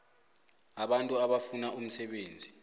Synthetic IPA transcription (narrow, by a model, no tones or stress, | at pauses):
aɓantʼuaɓafunaʔum̩sɛɓeːnd͡zʱi